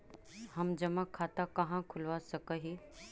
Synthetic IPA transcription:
hɐmd͡ʒɐmãkʰːaːt̪akɐɦãkʰʊlʋasɐkəɦi

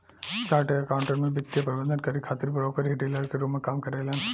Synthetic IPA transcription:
t͡ʃaːɾʈeɐkaːʊ̃ɳʈəɾmẽbɪt̪ːjapɐɾɪbə̃nd̪ənkɐɾekʰaːt̪ɪɾpɐɽaːkɐɾɦɪʈelaɾkeɾoːmẽkaːmkɐɾelãːn

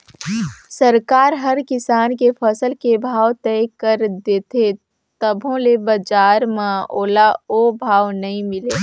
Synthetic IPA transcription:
səɾkaːɾɦɐɾkɪsaːnkepʰəsəlkebʱaːwt̪ɛjkəɾd̪eːt̪ʰe | t̪əbʱõlebɐd͡ʒaːɾmãoːlaobʱaːwnɐɦĩmɪleː

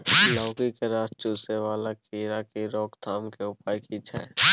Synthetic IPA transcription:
lɔːkikeɾaːst͡ʃuːseʋaːlakiːɾakiɾɔːkt̪ʰaːmkeʊpaːjkit͡ʃʰɛ̰ː

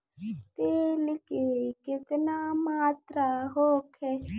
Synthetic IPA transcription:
t̪elɪkikɪt̪ɪnamaːt̪ɾaɦoːkʰɛ

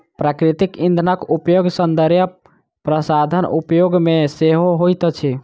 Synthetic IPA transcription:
pɾakɾit̪ikĩnd̪ʱənəkupjoɡsənd̪əɾjə | pɾəsad̪ʱənṵpjoɡmeseɦoɦojt̪t͡ʃʰi

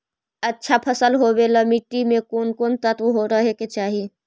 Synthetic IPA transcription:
ɐtːʃʰapʰɐsəlɦobelɐmɪʈːimẽkoːnkoːnt̪ət̪ʋɦoɾɐɦeket͡ʃaːɦi

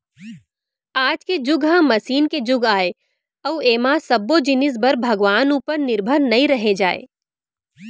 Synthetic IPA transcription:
aːd͡ʒked͡ʒʊɡɦãmɐsiːnked͡ʒʊɡaːe | ɐʊeːmasɐbːod͡ʒɪnɪs̬bɐɾbʱɐɡʋaːnupəɾnɪɾbʱəɾnɐĩɾɐɦed͡ʒaːḛː

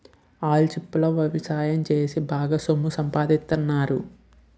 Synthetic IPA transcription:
aːlt͡ʃipːulɐʋɐʋisaːjɐmt͡ʃeːsibaːɡaːsomːusɐmpaːd̪ist̪unːaːɾu

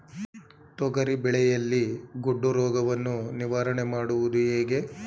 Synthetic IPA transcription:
t̪ɔɡɐɾibɛɭɛjɐlːiɡoɖːuɾɔːɡɐʋɐnːuniʋaːɾɐɳemaːɽuʋud̪ueːɡe̞

